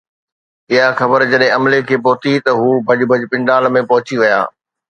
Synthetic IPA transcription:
ɪɦaxɐbəɾd͡ʑɐɗɦɪ̃ɐmlekʰeːpoɦʊt̪it̪ɐɦuːbʱɐʄbʱəd͡ʑpɪ̃ɳɖaːlmẽpɐɦʊt͡ɕiʋija̰ː

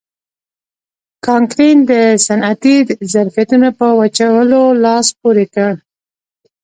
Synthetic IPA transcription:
kɑŋkɾind̪əsanat̪izaɾfijat̪unapəwat͡ʃawəlolɑspoɾekəɽ

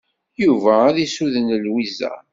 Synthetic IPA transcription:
juvæːðisuðənlwizæ̰

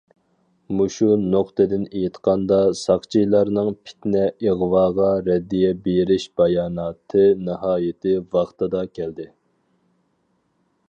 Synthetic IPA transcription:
muʃunoqt̪ɨd̪ɪnejit̪qɑnd̪ɑsɑχt͡ʃʰijlˠɑɾnɨŋpʰɪ̥t̪nɛiʁwɑːʁɑɾɛd̪ːijɛbeɾɪʃb̥ɑjɑːnɑːt̪ʰɨnɨɦɑːjɪt̪ʰɪvɑχt̪ʰɨd̪ɑkʲʰɛld̪ɪ

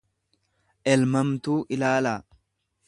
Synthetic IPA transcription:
ʔɛlmɐmt̪uːʔɪlaːlaː

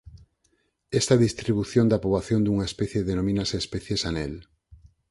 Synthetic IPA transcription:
est̪ɐðist̪ɾiβuθjond̪apɾoβaθjond̪uŋaespɛθjeðenomĩnaseːspɛθjesanel

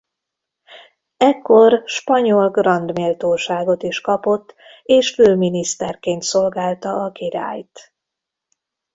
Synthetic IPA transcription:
ɛkːo̞rʃpɒɲo̞lɡrɒnd̪meːlt̪oːʃaːɡo̞t̪iʃkɒpo̞t̪ː | eːʃføːminist̪ɛrkeːnt̪so̞lɡaːlt̪ɒɒkiɾa̰ːjt̪

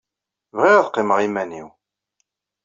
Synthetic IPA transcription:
vʁɪʁðqːeməʁimænḭw

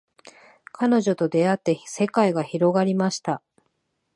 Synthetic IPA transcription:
kano̞ʑo̞t̪o̞d̪e̞at̪ːe̞se̞kaiɡaçiɾo̞ɡaɾʲimaɕi̥t̪a

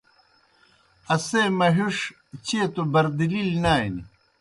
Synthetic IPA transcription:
ɐsemɐɦuʂ | t͡ɕeːt̪ubɐɾd̪ililnaːini

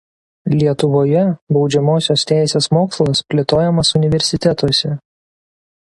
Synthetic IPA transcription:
lʲiɛt̪ʊʋoːjɛbɒʊd͡ʒʲɛmoːsʲoːst̪ʲæˑɪsʲeːsmoːkslˠɐspʲlʲɪt̪oːjɛmɐsʊnʲɪʋʲɛɾʲsʲɪt̪ʲɛt̪oːsʲɛ

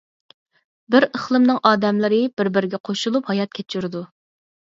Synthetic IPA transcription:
bɪɾəχlˠɨmnɨŋʔɑːd̪ɛmlɪɾɪb̥ɪɾbɪɾɪɡʲɛqʰoʃulˠuphɑjɑt̪̚kʲʰet͡ʃʰːyɾɪd̪u

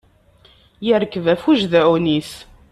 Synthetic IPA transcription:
jəɾkːəvæfuʒðæwniθ

